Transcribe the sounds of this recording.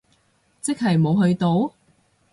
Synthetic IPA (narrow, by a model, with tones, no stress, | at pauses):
t͡sɪ˥k̚ɦɐ˨˩jmo˨˧wɦɵ˧ɥt̪o˧w